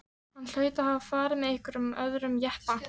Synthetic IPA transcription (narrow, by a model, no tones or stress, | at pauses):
hanːl̥œːɥt̪ahavafaːɾɪmɛðɪhkvʏɾʏmœðɾʏmjɛhpa